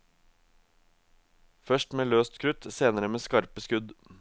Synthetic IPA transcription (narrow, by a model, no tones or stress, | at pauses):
fœʃʈmeːløːst̪kʰɾʉt̪seːnəɾəmeːskɑɾpəskʉd̪